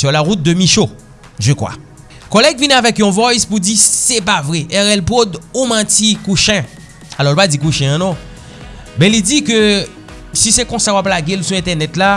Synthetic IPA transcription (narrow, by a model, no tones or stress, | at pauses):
sylaʁut̪̚d̪ømiʃo | ʒəkwa̰ | kolɛɡvinɛ̃avɛkjɔ̃vɔjspud͡zisɛpavʁɛʔɛʁɛlpod̪umãtikuʃɛ̃ | alɔlpad͡zikuʃɛ̃ãnɔ̃ | mɛ̃lid͡zikø | sisɛkɔ̃sawaplaɡelsuɛ̃t̪ɛʁnɛt̪la